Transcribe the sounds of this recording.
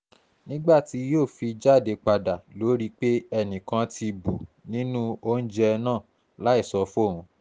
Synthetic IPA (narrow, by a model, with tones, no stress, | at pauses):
nĩ˦ɡ͡ba˦˨ti˨˦joː˦˨fi˧d͡ʒa˦˨de˧k͡pa˧da˨lo˨˦ɾi˦k͡pe˦ɛ˧˨nĩ˨kã˧tʰi˧bu˨nĩ˦nũ˦o˦n̩˦d͡ʒɛ˦˧nãː˦˨ | la˨˦i˦˨sɔ˧fo˦˨ɾũ˨˧